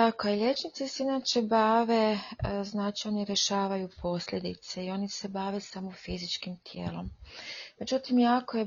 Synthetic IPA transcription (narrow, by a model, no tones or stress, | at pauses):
t̪akoilʎe̞t͡ʃnit̪seseinaːt͡ʃe̞baːʋe̞znaːt͡ʃioniɾjeʃaːʋajupʰo̞sʎʲe̞d̪ḭt̪se̞io̞nise̞baːʋe̞samofizit͡ʃkimt̪ʰjḛːlˠo̞̰mme̞d͡ʒut̪imjaːko̞je